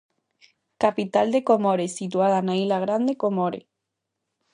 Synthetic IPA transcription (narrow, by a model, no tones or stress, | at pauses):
kapit̪ald̪ekomoɾesit̪uað̞anailaɣ̞ɾand̪ekomoɾḛ